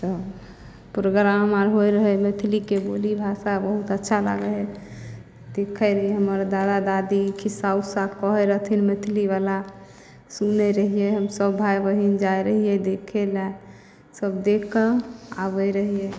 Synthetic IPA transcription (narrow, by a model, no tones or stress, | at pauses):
t̪ɔ | pɾoɡɾaɦəmaɾɦojɾəɦɛmet̪ʰilikebolibʱasabəɦut̪ətːʃʰala̰ɡəɦɛ | d̪ekʰəɾəɦiɛɦəməɾd̪ad̪ad̪ad̪ikʰisausakɔɦɛɾəɦt̪ʰinmet̪ʰiliʋala | sunɛɾəɦiɛɦəmsəbːʱajbəɦind͡ʒaeɾəɦiɛd̪ekʰela | səbd̪ekʰːəabəjɾəɦiɛ